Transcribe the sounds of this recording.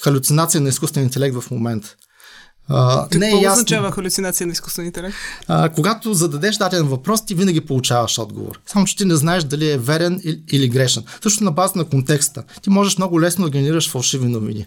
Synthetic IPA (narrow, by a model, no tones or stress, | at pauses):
xɐlʲʊt̪sinat̪sijənɐiskust̪vɛnint̪ɛlɛk̚t̪vɐfmomɛnt̪ | ənɛɛjaszt͡ʃavəxɐlʲut̪sinat̪sijənɐisku̥st̪vɛnint̪ɛlɛk̚t̪ːkoɡat̪ozɐd̪ɐd̪ɛʃd̪at̪ɛlɛnvɐpɾɔst̪ivinɐɡʲipolˠut͡ʃavɐʃɔd̪ɡo̰vo̰ɾsamʊt͡ʃɛ̥t̪inɛznaɛʃd̪ɐliɛvɛɾɛniliɡɾɛʃɛnsɤʃ̬nosnɐbazət̪ɐnɐkont̪ɛkst̪ət̪imɔʒɛʃmnɔɡʊlɛsnod̪ɐɡʲɛnɛɾiɾəʃfɐlˠʃivnʲinovḭnḭ